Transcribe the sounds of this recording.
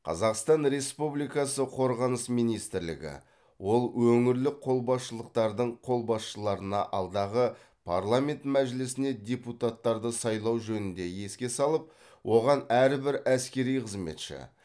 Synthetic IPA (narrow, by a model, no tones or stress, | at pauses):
qʰɑ̰zɑqst̪ɑnɾe̞spublijkɑsəqʰo̞ɾʁɑnəsmijnijst̪ɪɾlɪ̰ɡʲɪ̰ | wo̞lˠwɵŋɪɾlɪqʰo̞lˠbɑsʃəlˠəq̚t̪ɑɾd̪əɴqʰo̞lˠbɑsʃəlˠɑɾənɑ̰ʔɑlˠd̪ɑʁə | pʰaɾlˠamʲe̞nt̪mæʒɪlɪsɪned̪ʲe̞put̪at̪ːɑɾd̪əsɑjlˠɑwʒɵnɪnd̪e̞je̞skʲe̞sɑlˠəp̚ | wʔo̞ʁɑnæɾbɪɾæskʲe̞ɾijqʰəzme̞̰t̪ʃɪ̰